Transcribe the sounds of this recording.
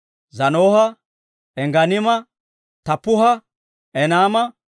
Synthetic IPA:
zɐnoːhɐ | ɛŋɡɐnɪmɐ | t̪ɐpːʊhɐ | ɛnaːmɐ

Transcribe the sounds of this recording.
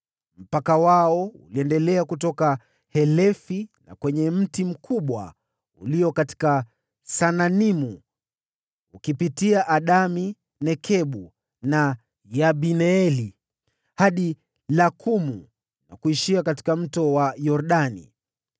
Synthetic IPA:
m̩pakawaɔṵliɛndɛlɛakutɔka | hɛlɛfina̰kwɛɲɛm̩tim̩kʰuɓwa̰ | uliɔkati̥ka | sananimu | ukipitiaʔaɗami | nɛkʰɛɓu | na | jaɓinɛɛli | haɗi | lakʰumu | na̰kuiʃiakati̥kam̩tɔwajɔɾɗanḭ

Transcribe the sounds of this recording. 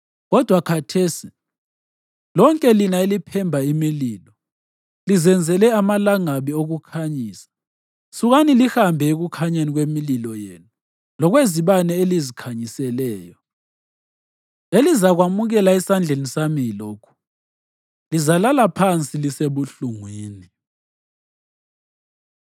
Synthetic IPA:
ɣɔd̥ʱwakʰatʰeːsi | lɔŋkʼɛlinaelipʰɛmbʱaimiliːlɔ | lizɛnd͡zʱɛlɛamalaŋaβioɣukʰaɲiːsḁ | suɣanilixambʱɛeɣukʰaɲaniɣwemililɔjeːnu | lɔɣweziβanɛelizikʰaɲisɛlɛːjɔ | elizaɣwamuɣɛlaisand͡ɮʱenisamijiloːkʰu̥ | lizalalapʰant͡sʼiliseβuɬuŋwiːni

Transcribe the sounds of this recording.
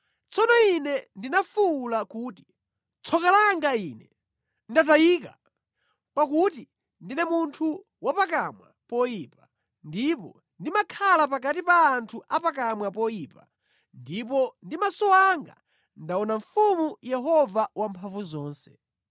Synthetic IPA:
t͡sʰɔnɔinɛndinafulakuːti̥ | t͡sʰɔkalaŋɡainɛ | ndat̬ajiːk̬a̰ | pak̬uti | ndinɛmuntʰu | wapak̬amwa̰pɔjiːpḁ | ndipɔ | ndimakʰalap̬ak̬at̬ipaːntʰuʔapak̬amwapɔjipa | ndip̬ɔndimasɔwaŋɡa̰ | ndaɔnaɱfumujɛɦɔvawampʰaɱvuzɔːnsɛ̥

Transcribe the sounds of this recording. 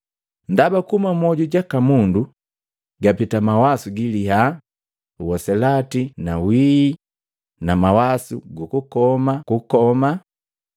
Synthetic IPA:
ndabakumamɔɟuɟakamundu | ɡapitamawasuɡiliɦa | uwɔsɛlatinawiː | namawasuɡukukɔmakukɔma

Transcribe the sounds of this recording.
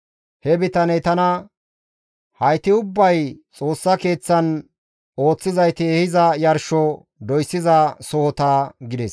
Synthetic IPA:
hɛbɪt̪ɐnɛt̪ɐnɐ | hɐjt̪ɪʊbːɐjt͡sʼo̞ːsːɐke̞ːt͡sːɐn | o̞ːt͡sːɪzɐjt̪ɪːhɪzɐjɐɾʃɔ | d̪ɔjsːɪzɐsɔhɔt̪ɐɡɪd̪ɛs

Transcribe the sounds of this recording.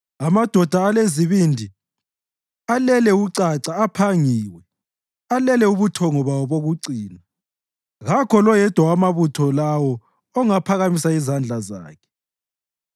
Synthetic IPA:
amad̥ʱɔd̥ʱaːleziβindʱi | alɛlɛuǀaǀaːpʰaŋiːwɛ | alɛlɛuβutʰɔŋɔβawɔβoɣuǀiːna | ɣakʰɔlɔjɛd̥ʱwawamaβutʰɔlawɔ | ɔŋapʰaɣamisaizand͡ɮʱaza̰ːkʰɛ̥

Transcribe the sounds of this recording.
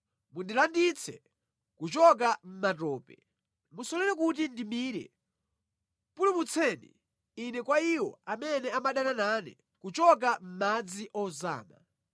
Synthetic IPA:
mundilandit͡sʰɛ | kut͡ʃɔk̬am̩mat̬ɔːpɛ | musɔlɛɾɛk̬ut̬indimiːɾɛ̰ | pulimut͡sʰɛnḭː | nɛkwaiwɔ̰amɛnɛamaɗanananɛ̰ | kut͡ʃɔk̬am̩mad͡ziʔɔza̰ːma

